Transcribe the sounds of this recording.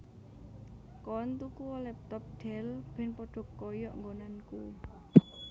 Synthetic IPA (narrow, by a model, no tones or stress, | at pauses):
kɔnt̪ukuɔlɛp̚t̪ɔp̚ɖ̥ɛ̤lb̥ɛ̤npɔɖ̥ɔ̤kːɔjɔʔŋɡonanku